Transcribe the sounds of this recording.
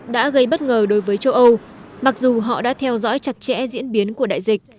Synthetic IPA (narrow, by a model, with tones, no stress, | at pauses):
ɗa̰ː˧˥ɣə˧jɓə˦˥t̚ŋəː˨˩ɗo˨˦jvəː˨˦jt͡ɕə˧wʔə˧wma˨˩k̚zu˨˩ɦɔ̰˧˨ɗa̰ː˧˥t̪ʰɛ˧wzɔ̰˧˥jt͡ɕa˨˩t̚t͡ɕɛ̰˧˥zḭ˧˥ənɓi˨˦ənku˧˩əɗa̰ː˧˨jzï˨˩k̟̚